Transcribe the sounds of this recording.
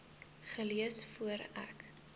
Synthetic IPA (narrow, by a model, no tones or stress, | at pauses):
χəliəsfuəɾæ̰k